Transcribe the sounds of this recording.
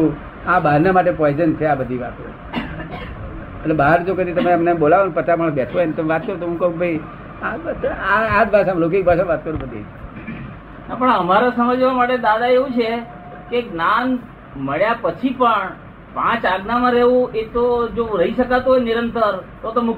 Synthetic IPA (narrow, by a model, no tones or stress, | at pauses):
ũ | abaɾnamaʈ̬epɔjd͡ʒənt͡ʃʰeabəd̪ʱiʋa̰t̪o | əʈlebaɦəɾd͡ʒokəd̪it̪əmemnebolaʋan̚pət̪amaɽ̃əsbɛʈʰoenet̪əmeʋat̪̚kəɾut̪oɦũkəũkbʱəj | aaad͡ʒ̪bʱasamlokik̚bʱas̬ãʋat̪̚kəɾũbəd̪ʱḭt͡ʃʰe | napəɳəmaɾasəməd͡ʒʋamaʈed̪ad̪aeʋũt͡ʃʰe | keɡnan | məɭjapət͡ʃʰipəɳ | pãt͡ʃaɡnamãɾeʋũʔet̪od͡ʒoɾəiʃəkat̪oenɪɾənt̪əɾt̪ot̪omu